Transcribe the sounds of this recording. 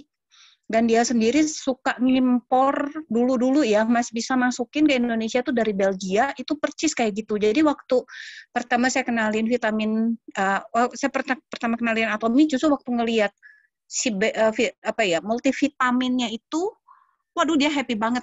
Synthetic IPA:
dandiasəndiɾisukaʔŋimpɔrduludulujamasbisamasukɪnkəindonesiat̪udaɾibɛlɡiaʔit̪upərt͡ʃɪskajaɡit̪ud͡ʒadiwak̚t̪upərt̪amasajakənaliɪnfit̪amɪnəasajapərt̪apərt̪amakənalianat̪omit͡ʃusuwak̚t̪uŋəliat̪̚ | sibɛʔəfiapajamult̪ifit̪amɪnɲait̪u | wadudiaɦɛpibaŋət̪̚

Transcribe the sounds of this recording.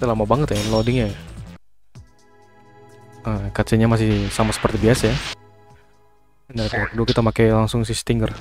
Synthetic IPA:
t̪alamabaŋət̪janlodɪŋɲaj | əkat͡ʃɛɲamas̬ɪhsamasə̥pərt̪ibiasaja | ndait̪akəduakit̪amakajlaŋsʊŋsɪst̪iŋɡər

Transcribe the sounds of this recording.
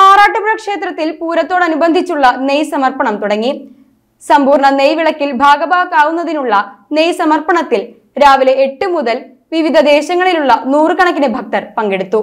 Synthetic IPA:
aːraːʈːɐbuɻɐkʂe̞ːt̪rɐt̪ːilpuːɾɐt̪ːoːɽɐnubɐnd̪ʱit͡ɕːuɭːɐnejsɐmɐrpɐɳɐmt̪uɽɐŋːi | sɐmbuːrɳɐnejʋiɭɐkːilbʱaːɡɐbaːkaːʋunːɐðinuɭːɐnejsɐmɐrpɐɳɐt̪ːil | ɾaːʋileeʈːɨmuðɐl | ʋiʋid̪ʱɐd̪e̞ːɕɐŋːɐɭiluɭːɐnuːrɨkɐɳɐkːinebʱɐk̚t̪ɐrpɐŋɡeɽut̪ːu

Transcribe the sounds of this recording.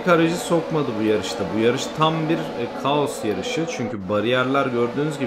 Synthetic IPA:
kaɾaʒɯsokmad̪ɯbujaɾɯʃt̪ʰabujaɾɯʃt̪ʰambiɾkʰaosjaɾɯʃɯt͡ʃʰyɲcʰybaɾijæɾlʲˠaɾɟø̞ɾd̪yːnyzɟi

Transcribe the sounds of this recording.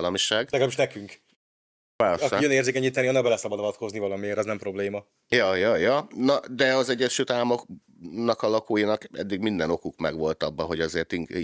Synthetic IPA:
lɒmiʃaːɡlɛɡɛlabiʃnɛkyŋk | aːliøneːrzeːkɛɲːiːt̪ːɛniɒnːɒbɛlɛsɒbɒd̪ɒvɒt̪ko̞znivɒlɒmieːɾɒznɛmpɾo̞bleːmɒ | jɒjɒjɒnɒd̪ɛɒzɛɟːɛʃylt̪aːmok | nɒkɒlɒkoːjinɒkɛ̰d̪ːiɡmind̪ɛno̞kukmɛ̰ɡʋo̞lt̪ɒbːɒɦo̞ɟɒzeːrt̪iŋ

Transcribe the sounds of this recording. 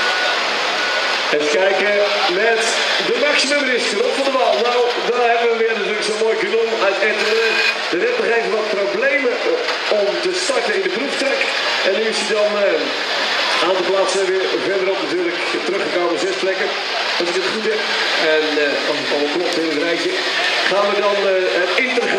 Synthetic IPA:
ɛntəkɛjkəmɛt | dəmaksiməmrɪstəʋɔnˠtfɔndəʋalˠnaw | dɔnɦɛbəʋəʋɪərnatyːrləksoːmoːjkənomœɥtɛtəɾ | d̥ərɛpnɔχejvəlˠʋɑt̚problejmə | ɔmtəstɑrkənɪndəpruftrɛk | ɛnyəsidɑn | aːntəlˠplaːsəʋɪərvɛrdəɾɔpnatyːrlək | tərøχəkowməzɛsplɛkən | ɔsɪk̚dətχutɛp | ɛn | ɔsəfɔəklɔp̚tɪnətrɛjkjə | naːmlək̚dɑnətɪntənχ

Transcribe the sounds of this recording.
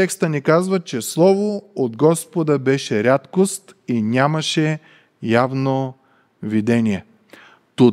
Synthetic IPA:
ɛkst̪ənikazvət͡ʃɛslˠɔvood̪ɡɔspod̪əbɛʃɛɾʲat̪kost̪inʲamɐʃɛ | javno | vid̪ɛniɛ | t̪u

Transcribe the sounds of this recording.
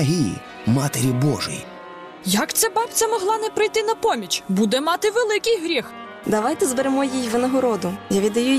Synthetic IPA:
ɦʲijḭ | mɑt̪eɾʲibɔ̰ʒʊ̰jḭ | jɐkt̪sɛbɑp̪̚t͡s̪ʲɐmɔɦlˠɑnɛpɾɪjt̪ɪnɐpɔmʲit͡ʃbud̪ɛmɑt̪ɪʋelˠɪkɪjɦɾʲix | d̪ɐʋɑjt̪ɛzbeɾemɔjijʋɪnɐɦɔɾɔd̪ʊjaʋʲid̪ɐju

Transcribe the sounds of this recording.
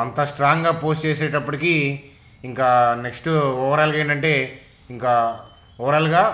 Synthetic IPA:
ɐnt̪ɐsʈɾaːŋɡaːpoːst͡ʃeːsɛːʈɐpːɐʈiki | iŋkaːne̞ksʈuɔːʋɐɾaːlɡaeːɳɖɐɳʈe̞ː | iŋkaː | ɔʋɐɾaːlɡaː

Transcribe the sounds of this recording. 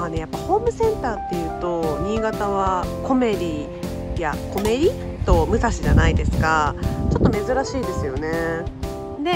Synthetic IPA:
ane̞japːaho̞ːmɯ̟sẽ̞nt̪aːt̪ːe̞jɯ̟ːt̪o̞mʲiɡat̪aβ̞ako̞me̞dʲi | jako̞me̞ɾʲi | t̪o̞mɯ̟saɕiʑanaid̪e̞sɨ̥kat͡ɕo̞t̪ːo̞me̞zɨɾaɕiːd̪e̞sɨjo̞ne̞ | d̪e

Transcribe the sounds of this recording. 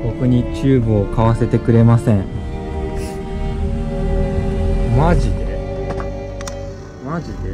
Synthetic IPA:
bo̞koɲ̟it͡ɕɨːbɯ̟o̞kaβase̞t̪e̞kɯ̟ɾe̞masẽ̞ɴ | maʑid̪e | maʑid̪e

